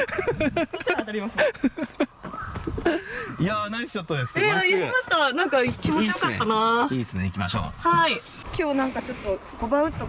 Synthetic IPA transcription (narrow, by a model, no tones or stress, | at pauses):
oɕiaat̪aɾʲimasɨn | janaisot̪ːod̪eseajɯimaɕi̥t̪anãŋkakʲimoiaḛːanaːiːsɨneikʲima̰ɕo̰ːhai | kʲo̞ːnãŋkat͡ɕo̞t̪ːo̞ɡ̥o̞bãɯ̟̃nt̪o